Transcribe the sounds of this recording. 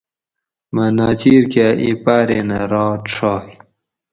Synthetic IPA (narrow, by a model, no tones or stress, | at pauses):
manaːt͡ɕiːɾkaʔipaɾenaɾɑːʈ͡ʂʰɑːi